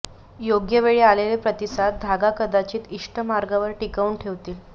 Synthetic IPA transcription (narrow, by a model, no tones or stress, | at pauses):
joɡjəʋeɭiːalelepɾət̪isat̪̚d̪ʱaɡakəd̪at͡ɕiːt̪iʂʈʰəmaɾɡaʋəɾʈikauɳʈʰeʋt̪iːl